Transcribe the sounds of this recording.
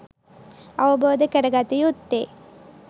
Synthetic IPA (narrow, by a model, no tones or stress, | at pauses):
ɐʋɐboːd̪ɐkɐɾɐɡaːt̪ijut̪ːeː